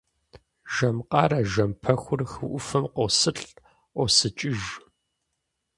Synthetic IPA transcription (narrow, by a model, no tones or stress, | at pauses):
ʒ̥ɐmqɑːɾɐʒɐmpʰɐxʷʊrxɨʔʷʊfɨmqosɨɬʼ | ʔʷosɨt͡ʃʼɪʒ